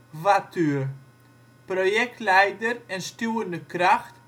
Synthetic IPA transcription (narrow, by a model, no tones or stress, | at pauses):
vaty | projɛk̚tlɛjdərɛnstuəndəkraxt